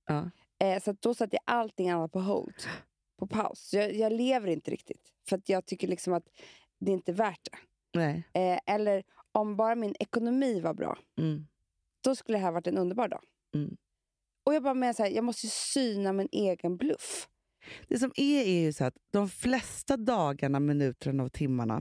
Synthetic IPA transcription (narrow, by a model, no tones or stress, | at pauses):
ʔɑː | ɛsat̪̚d̪̥ɔsat̪ːəja̰ʔalt̪ɪŋːanːat̪̚pʰɔɦɔ̰ld̪ | pʰɔpʰa̰ʊsjɑːjɑːɡleːvəɾɪnt̪əɾʔɪ̰k̚t̪ʰɪ̥̰t̪ | fœɾat̪ʰjɑːɡ̚t̪ʰʏkːəɭɪksɔmat̪ | d̪ɛɪnt̪əvæːʈ̚dɛ | nɛɛʔɛlːəɾɔmbɑːɾamɪnʔɛkʊnʊmiːvaɾbɾɑ̰ː | d̪̥ɔskɵlːəd̪ɛɦæːɾvaʈːɛnɵnd̪əɾbɑːɾɖɑ̰ː | ɔjɑːɡbɑːɾameːnashæːjɑːɡmɔst̪əjsyːnamɪnʔeːɡənblɵ̰f | d̪̥ɛsɔmæɾæɾjɵsɔɾt̪d̪̥ɔmflɛst̪ad̪ɑːɡaɳamɪnʉ̟ːt̪ʰəɳaavt̪ʰɪmːaɳa̰